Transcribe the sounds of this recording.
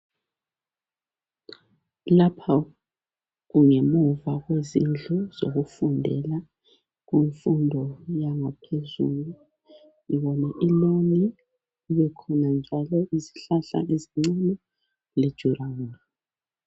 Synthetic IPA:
lapʰa | ɣuŋemuvaɣwezind͡ɮʱuz̥oɣufundʱɛ̰la | ɣiɱfundʱɔjaŋapʰezṵːlu | ŋiβɔnaʔiloni | iβɛkʰɔnand͡ʒʱalɔʔiziɬaɬa̰ʔeziŋ͡ǀanɔ | led̥ʒ̥ʱurauna

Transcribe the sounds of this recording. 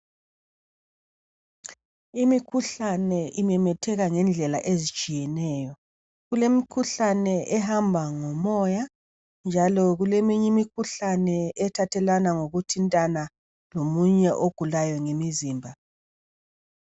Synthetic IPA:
imikʰuɬanɛʔimɛmɛtʰɛɣaŋɛnd͡ɮʱɛlaʔezit͡ʃʼijɛnɛːjɔ | ɣulemikʰuɬanɛʔɛɦambʱaŋɔmɔja | nd͡ʒʱalɔɣulemiɲimikʰuɬanɛɛtʰatʰɛlanaŋoɣutʰintʼana | lomuɲɛʔoɡ̥ʱulajɔŋemiziːmbʱa

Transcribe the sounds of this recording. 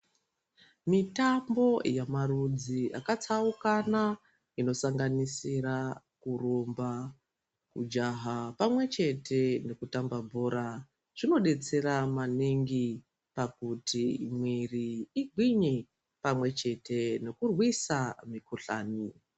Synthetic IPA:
mitambo̞jamarud͡ziakat͡saukana | ino̞saŋɡanisira | kuromba | kṵd͡ʒaɦapamwe̞t͡ʃe̞tʰe̞ne̞kutambabʱo̞ːɾa | ʐ̥ino̞ɗe̞t͡se̞ɾamaniŋɡi | pakutimwiriːɡʱwiɲi | pamwe̞t͡ʃe̞te̞ne̞kurwisamikuɬa̰ːni

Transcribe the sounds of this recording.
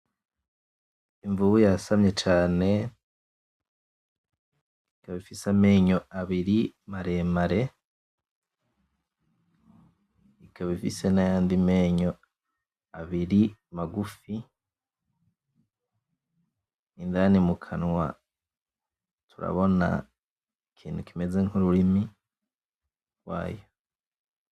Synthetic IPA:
iɱvuβujasamɲe̞t͡ʃaːne̞ | ikaβifisame̞ːɲo̞aβiɾimaɾe̞ːmaɾe̞ | ikʰaβifḭse̞najaːndimeɲo̞ | aβiɾimaɡufi | indaːnimukʰanwa̰ | tuɾa̰βo̞na̰ | ekʰiːntukime̞ze̞ŋhuɾuɾimi | ɾwa̰ːjo

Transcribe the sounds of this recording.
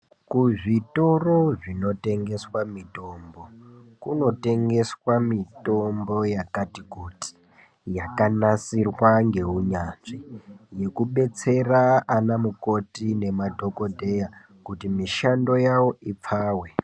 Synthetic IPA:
kuʐito̞ro̞ʐino̞te̞ŋɡe̞swamito̞ːmbo̞kuno̞te̞ŋɡe̞swamito̞mbo̞jakatiɡʱoti̥ | jakanasirwaŋɡe̞uɲanʐije̞kuɓe̞t͡se̞raːnamuko̞tine̞madʱo̞ko̞dʱe̞ja | kutimiʃando̞jawo̞ip͡faːwe̞

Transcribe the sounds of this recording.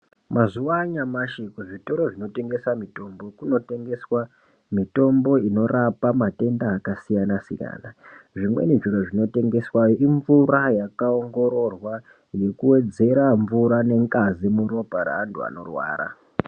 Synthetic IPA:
mazuʋaɲamaʃikuʐito̞ɾo̞ʐino̞te̞ŋɡe̞samito̞mbo̞kuno̞te̞ŋɡe̞swa | mito̞mbo̞ino̞rapamate̞ndaːkasijanasika̰ːnaʐimwe̞̰neʐiɾoʐino̞te̞ŋɡe̞swajoiɱvurajakao̞ŋɡo̞ɾo̞rwa | je̞kuwe̞d͡ze̞ɾaɱvuɾane̞ŋkʼazimuɾo̞paɾa̰ːntʰua̰no̞̰rwa̰ːɾa̰

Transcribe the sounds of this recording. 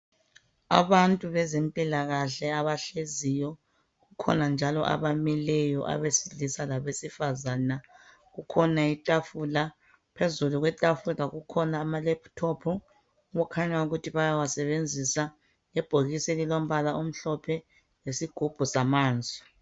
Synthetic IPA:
a̰βantʼuβɛzempʼilaɣaɬɛaβaɬezijɔ | ɣukʰɔ̰nand͡ʒʱalɔ̰ʔa̰βamilɛjɔʔa̰βesiɮisalaβesifazana | ɣukʰɔnaitʼafula | pʰezuluɣwɛtʼafulaɣukʰɔnaːmalɛpʰtʰɔpʰu | ɣukʰaɲauɣutʰiβajawasɛβend͡zʱisa | ɛb̥ʱoɣisɛlilom̩βalaum̩ɬɔpʰɛ | jesiɡ̥ʱub̥ʱusamaːnd͡zʱɔ

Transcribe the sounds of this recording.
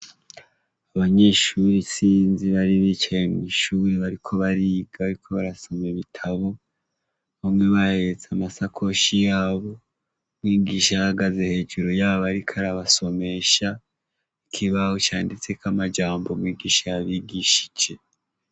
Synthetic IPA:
aβaɲe̞ʃuɾisiːnziβaɾiβit͡ʃajemŋiʃuːɾeβaɾikʰo̞βaɾiːɡaβaɾikʰo̞βaɾaso̞meβitʰaβo̞ | βamŋe̞βahe̞ɾet͡samasakʰo̞ʃijaːβo̞ | mwiːɡiːʃaahaɡaze̞he̞ːd͡ʒuɾojaːβaɾikʰaɾaβaso̞me̞ʃa | ikʰiβahot͡ʃa̰ːndit͡se̞kamad͡ʒaːmbo̞mwiːɡiːʃajaβiɡiʃi̥d͡ʒe̞

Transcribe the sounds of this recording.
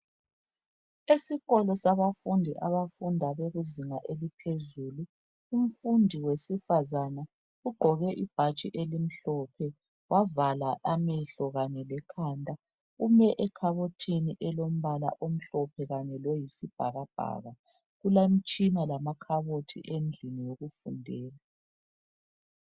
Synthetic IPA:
esiɣɔlɔsaβafundʱiʔaβafundʱaβeɣuziŋaʔelipʰezulu | um̩fundʱiwesifazana | uɡ͡ǃʱɔɣɛʔib̥ʱat͡ʃʼiʔelim̩ɬɔpʰɛ | wʔavalaʔamɛɬɔɣaɲɛlɛkʰaːndʱʼa | umɛʔɛkʰaβotʰiniʔɛlom̩βala̰ʔom̩ɬɔpʰɛɣaɲɛlɔjisib̥ʱaɣab̥ʱa̰ɣa | ɣulem̩t͡ʃʼinalamakʰaβotʰḭʔend͡ɮʱinijoɣufṵndʱɛːla

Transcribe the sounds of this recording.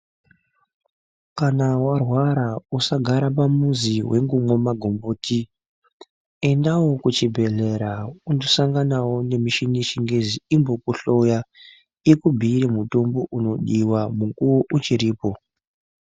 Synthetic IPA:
kanawarwaɾausaɡʱaɾap̬amuziwʔe̞ŋɡumwomaɡʱo̞mboːti | e̞ndawo̞kut͡ʃibʱe̞ɮe̞ɾaundosaŋɡanawone̞miʃiniʃiŋɡeziimbo̞kuɬo̞ja | ekubʱiːɾemuto̞mboʔuno̞ɗiwamuŋkuwoʔut͡ʃiɾiːpo̞

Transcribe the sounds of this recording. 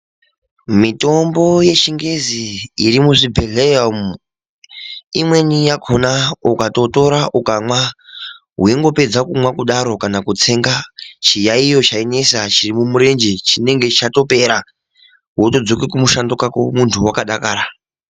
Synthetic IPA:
mito̞mbo̞je̞ʃiŋɡe̞ziːɾimuʐibʱe̞ɮejam | imwe̞nijakʰonaukato̞to̞ɾaʔukamwa | ɦuiŋɡo̞pe̞d͡zakumwakuɗaɾo̞kanakut͡se̞ːŋɡat͡ʃijaijo̞t͡ʃaine̞sat͡ʃirimumuɾe̞nd͡ʒet͡ʃine̞ŋɡe̞it͡ʃato̞pe̞ɾa | woto̞d͡zo̞kikumuʃando̞kako̰muntʰuwakaɗakaːɾa

